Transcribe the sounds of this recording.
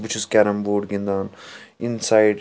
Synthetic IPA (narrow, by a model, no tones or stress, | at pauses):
but͡ʃʰuskʲɛɾɐmboːɖɡĩnd̪aːninsaːjɖ